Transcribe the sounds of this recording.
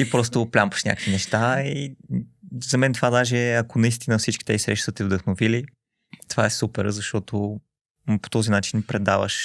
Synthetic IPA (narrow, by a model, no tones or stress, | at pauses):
ipɾɔs̬t̪oːplʲampə̥ʃnʲa̰kə̥kvinɛʃt̪ai | zɐmɛnt̪ovad̪aʒɛɐkonɐist̪inəfsit͡ʃk̟ʲi̥t̪ɛisɾɛ̰ʃt̪ət̪ɛvd̪əxnovili | t̪ovaɛsupɛɾzɐʃt̪ɔt̪o | po̥t̪ɔzinat͡ʃinpɾɛd̪avə̰ʃ